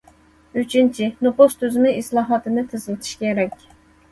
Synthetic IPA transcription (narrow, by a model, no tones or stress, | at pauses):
yt͡ʃʰynt͡ʃʰinopost̪ʰøzmɨislˠɑːɦɑt̪ʰɨnɨt̪ʰɨzlˠɨt̪ʰɨ̥ʃkʲʰeɾɛkʲ